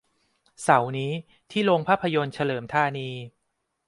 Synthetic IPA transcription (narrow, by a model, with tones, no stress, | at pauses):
sa˩˦wniː˦˥ | t̪ʰiː˥˩lo˧ŋpʰaː˥˩pʰːa˧jo˧nt͡ɕʰa˧lɤː˩˦mt̪ʰaː˧niː˧